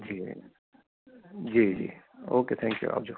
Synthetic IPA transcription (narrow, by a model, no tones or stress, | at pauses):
d͡ʒiː | d͡ʒiːd͡ʒḭːoːket̪ʰɛ̃ŋkjṵa̰ːp̚d͡ʒo